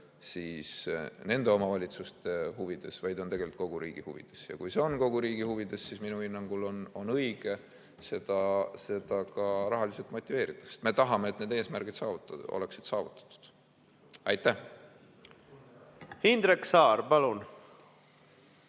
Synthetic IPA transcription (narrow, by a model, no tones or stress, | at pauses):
siːsne̞nd̪̥e̞o̞mɑvɑlʲit̪sust̪e̞huvid̪̥e̞svɑjd̪o̞nt̪e̞ɡelilt̪ˑko̞ɡ̥uɾiːɡ̥ihuvḭd̪̥e̞sjɑ̰kujse̞o̞nko̞ɡ̥uɾiːɡ̥ihuvid̪̥e̞sːisminuhinːɑŋɡ̥ulo̞no̞nɤjɡ̥e̞ | se̞d̪̥ɑse̞d̪ɑkɑɾɑɦɑlise̞lt̪mo̞t̪ʲːˑive̞ːɾit̪ːˑɑ̥kse̥t̪me̞t̪ɑɦɑmeeːt̪ːne̞d̪e̞ːsmæɾɡ̥id̪sɑːvut̪o̰le̞ksid̪sɑːvut̪ːˑɑ̥td̪ˑu̥d̪̥ | ɑjt̪ːæh | hind̪ɾeksɑːɾpɑlun